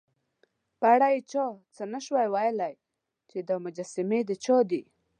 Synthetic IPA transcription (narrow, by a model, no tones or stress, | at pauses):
paɽajt͡ʃɑt͡sənaʃwajwajlaj | t͡ʃed̪əmʊd͡ʒasɪmed̪ət͡ʃɑd̪i